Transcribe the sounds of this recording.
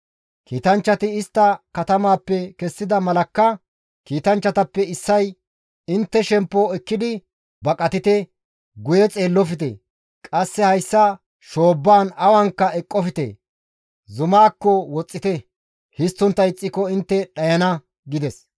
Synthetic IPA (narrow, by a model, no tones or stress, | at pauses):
kiːt̪ɐnt͡ʃːɐt̪ɪɪst̪ːɐkɐt̪ɐmaːpːɛkɛsːɪd̪ɐmɐlɐkːɐ | kiːt̪ɐnt͡ʃːɐt̪ɐpːɛɪsːɐj | ɪnt̪ːɛʃɛmpːoɛkːɪd̪ɪ | bɐkʼɐt̪ɪt̪ɛ | ɡʊjɛt͡sʼe̞ːlːɔfɪt̪̬ɛ̰ | kʼɐsːɛhɐjsːɐ | ʃo̞ːbːaːnɐwɐŋkːɐɛkʼːɔfɪt̪ɛ̰ | zʊmaːkːɔwɔt͡sʼːɪt̪ɛ | hɪst̪ːʊnt̪ːɐɪt͡sʼːɪkɔɪnt̪ːɛɗɐjɐnɐ | ɡɪd̪ɛs